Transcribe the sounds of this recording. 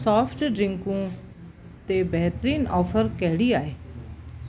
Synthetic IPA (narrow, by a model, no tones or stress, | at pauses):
sɔːpʰʈɖɾɪ̃ŋkũ | t̪ebɛɦt̪əɾiːnɔːfʰəɾkɛɦɪɽiaːeː